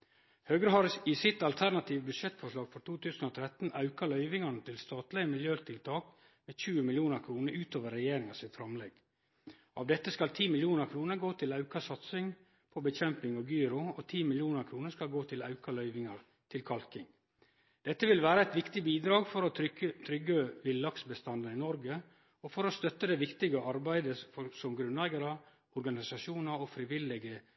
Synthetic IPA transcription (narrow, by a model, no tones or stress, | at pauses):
høːɡɾəɦɑɾɪsɪt̪ɑlt̪ʰæɾnɑt̪ʰiːʋbʉd̪ʂɛt̪ːfɔʂlɑːɡfɔʈ̪ʰuːt̪ʰʉːsn̩oːt̪ʰɾɛt̪n̩ɑʉkɑɭœʏʋɪŋɑɳət̪ʰɪlst̪ɑːt̪lɪəmɪljøːt̪ʰɪlt̪ʰɑːk | meːçʉːəmɪljuːnəɾkʰɾuːnəɾʉːt̪oːʋəɾːɛjeːɾɪŋɑsɪt̪fɾɑmlɛɡ | ʔɑ̰ːʋd̪ɛt̪ːəskɑlt̪ʰiːmɪljuːnəɾkʰɾuːnəɡoːt̪ʰɪlɑʉkɑsɑt̪sɪŋ | pʰɔbəçɛmpɪŋɔɡyːɾʊɔt̪ʰiːmɪljuːnəɾkʰɾuːnəskɑlɡoːt̪ʰɪlɑ̰ʉkɑlœʏʋɪŋɑɾ | t̪ʰɪlkʰɑlkɪŋ | d̪̥ɛt̪ːəʋɪlʋæːɾəæɪt̪ʋɪkt̪ɪbiːd̪ɾɑːɡfɔɾɔt̪ʰɾʏɡəʋɪlːɑksbəst̪ɑnd̪ənɪnɔɾɡə | ɔfɔɾɔst̪œt̪ːəd̪ɛʋɪkt̪ɪɡəʔɑɾbæɪd̪əsɔmɡɾʉnlæɪɡɑɾə | ɔɾɡɑnɪsɑʂuːnəɾɔfɾɪʋɪlɪɡə